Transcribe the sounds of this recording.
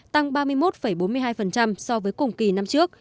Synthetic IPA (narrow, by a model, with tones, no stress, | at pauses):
t̪a˧ŋɓaː˧mɨ˧əjmo˦˥t̚fə˧˩jɓo˨˦nmɨ˧əjɦaː˧jfə˨˩nt͡ɕa˧msɔ˧vəː˨˦jkʊ˨˩ŋ͡mki˨˩na˧mt͡ɕɨ˦˥ək̚